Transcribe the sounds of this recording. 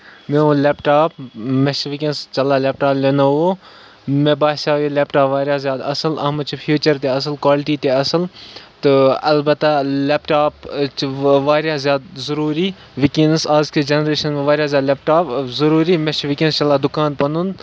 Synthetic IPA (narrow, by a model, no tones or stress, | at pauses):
meũleːpʈaːp̚meʃʋikẽnst͡ʃɐlːaːlʲeːp̚ʈaːplʲenaʋoː | mẽbaːsaːjoleːpʈaːpʋaːɾʲjazjaːd̪ɐsəlɐ̰ɦmɐt͡ʃʰfʰjuːt͡ʃɐɾt̪eɐs̬ɨlkwaːlɪʈiːt̪eɐsəlt̪ɨɐlbɐt̪aleːpʈaːpt͡ʃʋaːɾjazʲjaːd̪̚zɐɾuːɾi | ʋɪkĩːnsaːzked͡ʒenɾeːʃɐnmẽʋaːɾjaːzʲjaːd̪leːp̚ʈaːpzɐɾuːɾiːmeʃʋɪkẽnst͡ʃɐlːad̪ʊkaːnpɐnun